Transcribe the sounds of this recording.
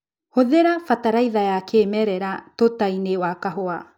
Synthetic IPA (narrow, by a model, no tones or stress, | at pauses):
hoðeɾafataɾajðaeakʰemeɾeɾatotajneoakaɦoa